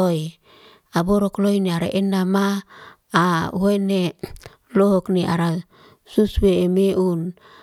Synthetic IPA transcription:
oj | aboɾoklojneaɾa̰ʔenamaː | uene | lokniaɾa | susbeːmeun

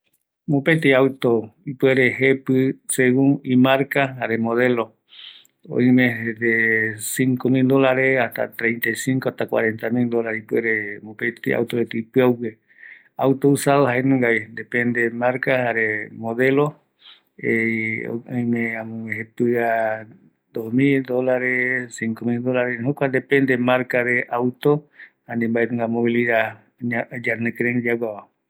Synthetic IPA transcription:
mõpet̪̬iawt̪oipweɾeɦepɨseɣũŋimaɾkaaɾemoðelo | õ̰ĩmẽed̪esiŋkomild̪olaɾeaht̪a̰t̪ɾẽjnt̪ajsiŋkoaht̪akwa̰ɾent̪amild̪olaɾeipweɾemopet̪ia̰wt̪oɾet̪ipɨawke | awt̪ousaðohaenũŋɡaind̪epend̪emaɾkahaɾemoðelo | ḛ | ojmẽamũeɦet̪ua | d̪ohmild̪olaɾesiŋkomild̪olaɾeɦokʷad̪epend̪emaɾkaɾeʔawt̪o | anĩmbaet̪uŋɡamoβiliða | ɲad͡ʒanẽkɾẽŋd͡ʒaɡʷaβa

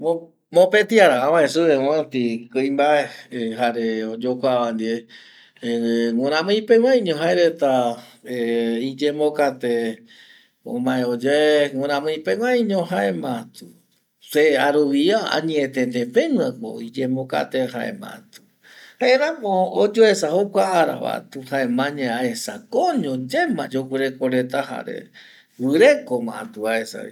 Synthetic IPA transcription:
o | mõpet̪iaɾaãwãẽsɨeõat̪ikɨjmbaeɦaɾeod͡ʒokʷaβand̪ie | ŋãɾ̃ãmɨ̃jpewʷãĩɲõɦaeɾet̪aeid͡ʒẽmbokat̪e | õ̰mãẽod͡ʒaeŋeɾ̃ãmɨ̃jpewʷãĩɲõɦaʔemãt̪u̥ | seaɾuβiaã̰ɲĩet̪ẽnd̪epẽŋãko̰id͡ʒẽmoka̰t̪eha̰ḛmã̰t̪u̥ | haeɾãmõod͡ʒoesahokʷaːɾa̰βa̰t̪uhaemãɲẽaesakoɲõd͡ʒemãd͡ʒokʷeɾekoɾet̪aha̰ɾḛ | wɨɾekomã̰t̪uβaesa̰ḭ

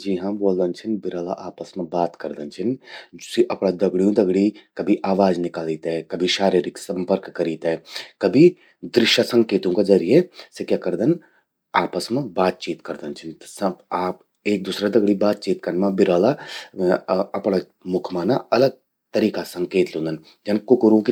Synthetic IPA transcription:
d͡ʒiɦãboːld̪ənt͡ʃʰɪnbɪɾaːla̰ʔaːpəsmẽbaːt̪kɐɾd̪ənt͡ʃʰɪnsiʔɐpɽad̪ɐɡɽijũd̪ɐɡɽikɐbʱiʔaːʋaːd͡ʒnɪkaːliːt̪ɦɛkɐbʱiʃaːɾiːɾɪksɐ̃mpəɾkːɐɾiːt̪ɦɛkɐbʱi | d̪ɾɪʃjəsɐ̃ŋkeːt̪õked͡ʒɐɾijesɪkjakɐɾd̪ən | aːpəsmẽbaːt̪̚t͡ʃiːt̪kɐɾd̪ənt͡ʃʰɪnsɐaːp | eːk̚d̪usɾad̪ɐɡɽibaːt̪̚t͡ʃiːt̪kɐɾnmãbɪɾaːla | ɐpɽ̃a | mʊkʰmaːnaɐləɡ̚ | t̪ɐɾiːkasɐ̃ŋkeːt̪lõnd̪ən | d͡ʒɐnkʊkʊɾũki

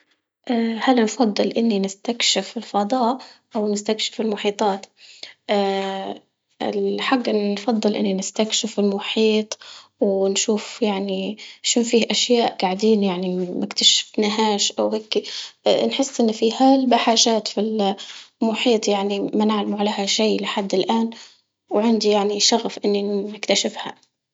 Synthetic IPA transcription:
ʔahalnfɑd̪ˤːɨlʔɪnːinɪst̪akʃɪfɪlfɑd̪ˤɑːʔʔawnɪst̪akʃɪ̥fɪlmʊħiːt̪ˤɑːt̪ʔaː | ɪ̰lħaɡːfɑd̪ˤːɨlʔɪ̰nːinɪst̪akʃɪfɪlmʊħiːt̪ˤwnʃuːfjaʕniʃʊnfiːhʔaʃjaːʔɡ̥aʕd̪iːnjaʕnimɪkt̪aʃɪ̥fnaɦaːʃʔawheːkːinħɪsːʔɪnːfihaːlbaħaːʒaːt̪filmʊħiːt̪ˤjaʕnimanɪʕlamʕaleːhaʃiːlɪħad̪ːɪlʔaːn | wʕɪnd̪ijaʕniʃaɣfʔɪnːinɪkt̪aʃɪfha

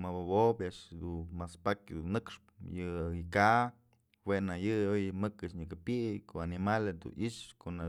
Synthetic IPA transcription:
mabobobjaʔʂd̪umaspakʲd̪ṵnːɨkʂpjɨka | wenajɨojmɨkɨt͡ʃɲɨkɨpikoanimaled̪ṵnʔiʔʂkona

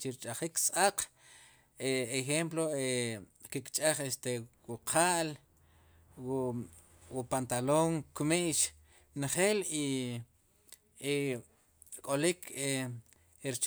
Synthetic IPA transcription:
t͡ʃiɾt͡ʃʼaχiksʼaq | eexemploekikt͡ʃʼaχest̪ewuqʰaʔl | w | wupant̪aloŋkumiʔʃ | nχeːli | kʼolikʰe | ɾt͡ʃ

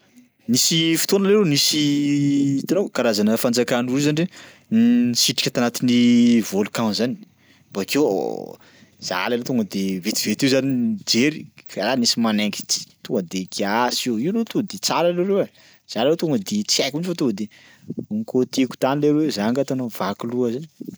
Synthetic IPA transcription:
nisifi̥t̪onəleɾewnisi | t̪anokaɾazanəfand͡zakanuɾuzaniɖ͡ʐe | nsiʈ͡ʂi̥kʲat̪anat̪inivolukãnzani̥ | b̥akewo̰ | z̥a̰lalet̪oŋɡəd̪evet̪ivet̪iwzanid͡ʒeɾikaɾanisimaneŋɡi̥t͡si̥t̪oŋɡəd̪eɡiasoiwnet̪oəd̪et͡saɾaleɾewa | z̥alaleot̪oŋəd̪et͡siajkunfat̪oŋəd̪e | uŋkot̪eku̥t̪anileɾewzaŋɡat̪onavakiluəzani̥

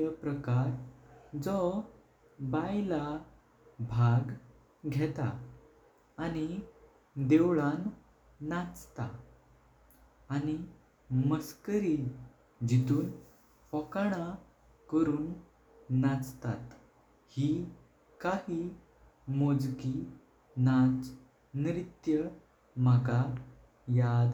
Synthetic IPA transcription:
əpɾəkaɾd͡zɔ | bajla | bʱaɡ | ɡʱɛt̪a̰ː | ni | d̪ewɭanː | at͡st̪a̰ | ani | məskəɾi | d͡ʑit̪uːn | fɔkaɽ̃a | kəɾuːnː | at͡st̪at̪ | hi | kahi | mod͡zki | nat͡s | nɾit̪jə | maka | jad̪

